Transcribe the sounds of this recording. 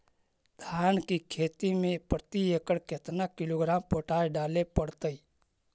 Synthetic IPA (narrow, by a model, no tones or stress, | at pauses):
d̪̥ʱaːnkikʰeːt̪imẽpɾət̪iekəɽket̪nakɪloːɡɾaːmpoːʈaːjɖaːlepəɽt̪əi